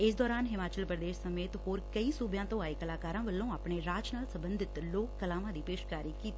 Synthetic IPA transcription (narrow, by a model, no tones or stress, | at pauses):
ɪs̬d̪ɔːɾaːnɦɪmaːt͡ʃəlpɾəd̪eːʃsəmeːt̪ɦoːɾkəisubjãːt̪õaːekəlaːkaːɾãʋəlːõaːpɳ̃eɾaːt͡ʃnaːlsɐ̃mbə̃nd̪ʱɪt̪loːkːəlaːmãd̪iːpeːʃkaːɾikiːt̪i